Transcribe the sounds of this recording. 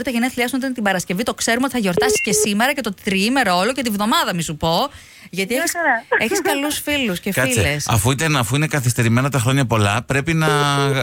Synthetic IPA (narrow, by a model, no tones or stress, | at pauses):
ɾit̪ɐʝeniɐθliɐksunot̪ɐnt̪ibɐɾɐsce̞vit̪o̞kse̞ɾumeot̪iθɐʝo̞ɾt̪ɐsi̥sce̞sime̞ɾɐce̞t̪o̞t̪ɾiime̞ɾɐo̞loce̞t̪ivðo̞mɐðɐmisupo̞ | ʝɐt̪ieçise̞çiskɐlusfiluscefɐilesɐ̰fuit̪ɐnɐfuine̞kɐθist̪e̞ɾime̞nɐt̪ɐxɾo̞ɲɐpo̞lɐpɾe̞pinɐ